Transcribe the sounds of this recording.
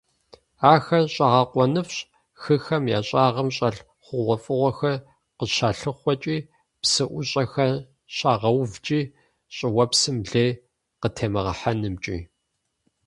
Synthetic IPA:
aːxɐɕʼaːʁɐqʷɔnɨfɕ | xɨxɐmjaːɕʼaːʁɐmɕʼɐɬ | χʷʊʁʷɔfʼɨʁʷɔxɐr | qəɕaːɬɨχʷɔt͡ʃʼiː | psɨʔʷʊɕʼɐxɐ | ɕʼaːʁɐwvt͡ʃʼiː | ɕʼɪwɐpsɨmɮeː | qətʰeːmɐʁɐ̰ħanɨmt͡ʃʼḭː

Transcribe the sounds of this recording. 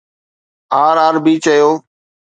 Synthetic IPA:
aːɾaːɾbiːt͡ʃəjoː

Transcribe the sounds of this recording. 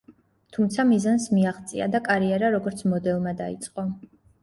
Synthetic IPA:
t̪ʰumt̪sʰamizansmiaχt̪sʼḭa̰d̪akʼaɾiɛɾaɾɔɡɔɾt̪sʰmɔd̪ɛlˠmad̪aḭt̪sʼqʼɔ

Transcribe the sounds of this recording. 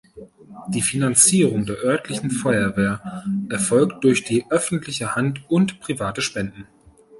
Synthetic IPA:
d̥iːfinant͡siːʁʊŋdeːɐʔœɐtʰlɪçn̩fɔʏɐveːɐʔɛɐfɔlkt̚d̥ʊɐçd̥iːʔœfn̩tlɪçəhantʊntpʁ̥ivaːtəʃpɛndn̩

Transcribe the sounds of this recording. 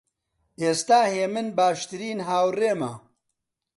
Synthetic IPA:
ʔeːst̪aːheːmɨnbaːʃt̪ɨɾiːnɦaːwreːmɐ̰

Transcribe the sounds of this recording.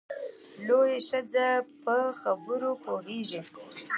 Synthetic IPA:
lojeʂad͡zapəxabəɾopoɦeʒi

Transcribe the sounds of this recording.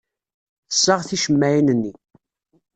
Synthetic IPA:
θə̥sːəʁθiʃəmːæjinənːi

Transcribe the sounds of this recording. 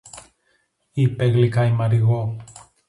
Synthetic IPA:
ipeɣlikajmaɾiɣo

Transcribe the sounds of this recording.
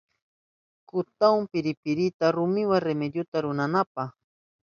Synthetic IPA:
kʊt̪awmpɪɾɪpɪɾɪt̪aɾʊmɪwaŋɾemed̪jʊt̪aɾʊnanapax

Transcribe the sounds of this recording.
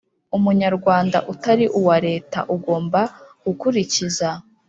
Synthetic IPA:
umuɲaɾɡwaːndaʔutaɾiʔuwaɾe̞ːta̰ʔuɡo̞ːmbaɡ̥ukuɾiciza

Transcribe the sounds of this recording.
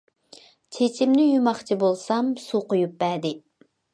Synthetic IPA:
t͡ʃʰet͡ʃʰimnɪjumɑχt͡ʃʰibolˠsɑmsuqojup̚bɛd̪ɪ

